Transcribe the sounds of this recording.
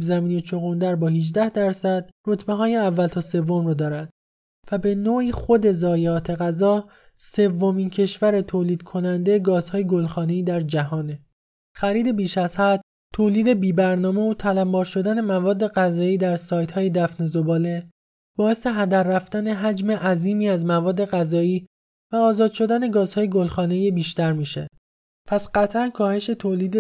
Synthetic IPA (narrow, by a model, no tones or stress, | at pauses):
zæmiːnet͡ʃʰoɣond̪æɾbɒːhid͡ʒd̪æhd̪æɾsæd̪̥̚ro̞t̪ʰbe̞ɦɒːjeævːælt̪ʰɒːse̞vːo̞mrɔːd̪ɒːɾænd̪̥ | væbe̞noːiːxo̞d̪e̞zɒːjeɒːt̪ʰe̞ɣæzɒː | se̞vːo̞mincʰe̞ʃvæɾet̪ʰoːliːd̪̥kʰo̞nænd̪ejeɡɒːzhɒːjeɡo̞lxɒːne̞iːd̪æɾd͡ʒæɦɒːne | xæɾiːd̪e̞biːʃæz̥hæd̪̥̚ | t̪ʰoːliːd̪e̞biːbæɾnɒːme̞ot̪ʰælæmbɒːɾʃo̞d̪æne̞mævɒːd̪ːe̞ɣæzɒːiːd̪æɾsɒːjt̪ʰhɒːjed̪æfnezobɒːle̞ | b̥ɒːe̞se̞ɦæd̪æɾːæft̪æne̞ɦæd͡ʒme̞ʔæziːmiːæzmævɒːd̪ːe̞ɣæzɒːiː | væɒːzɒːd̪̥ʃo̞d̪æne̞ɡɒːz̥hɒːje̞ɡolxɒːne̞jebiːʃt̪æɾmiːʃḛ | pʰæsɢ̥æt̪ʰʔænkʰɒːhe̞ʃe̞t̪ʰoːliːd̪e